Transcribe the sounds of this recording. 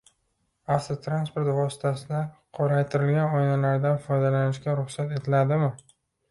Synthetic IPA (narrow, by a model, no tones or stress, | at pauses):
aft̪t̪ɾanspo̞ɾt̪vɒsɪ̥t̪ʰasɪlaɾqʰɒɾajt̪ʰɪɾɪlɡʲanɒjnalaɾd̪anfɒjd̪alanɪʃkʲaɾʊχsat̪e̞t̪ʰɪlad̪ɪmɪ